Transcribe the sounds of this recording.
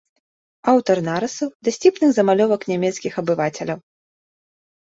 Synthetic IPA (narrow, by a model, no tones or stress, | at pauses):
awt̪ɐrnaɾɨsɐwd̪ɐsʲipnɨɣzɐmalʲɔvɐknʲamʲɛt̪skʲixɐbɨvat͡sʲɛlʲɐw